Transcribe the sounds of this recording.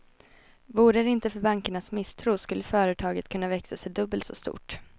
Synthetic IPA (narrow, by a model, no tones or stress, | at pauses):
vuːɾəɾɪnt̪əfœɾbaŋkəɳasmɪst̪ʰɾuːskɵlːəfœːɾət̪ʰɑːɡət̪̚kʰɵnːavɛksasɛjd̪ɵbːəlsɔ̰st̪ṵːʈ